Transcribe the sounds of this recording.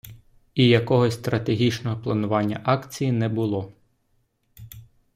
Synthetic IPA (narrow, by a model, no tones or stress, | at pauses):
ijɐkɔɦɔsʲst̪ɾɐt̪eɦʲit͡ʃnɔɦɔplˠɐnʊʋɑnʲːɐ̰ʔɑkt͡sʲijinɛbʊlˠɔ